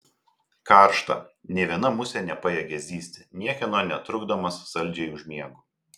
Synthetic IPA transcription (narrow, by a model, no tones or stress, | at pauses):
kɑˑɾʃt̪ɐ̰nʲɛɪʋʲiɛnɐmʊsʲɛnʲɛpɐjɛɡʲɛzʲiːsʲt̪ʲɪnʲiɛkʲɛnoːnʲɛt̪ɾʊɡd̪omɐsːɐlʲd͡ʒʲɛɪʊʒʲmʲiɛɡʊ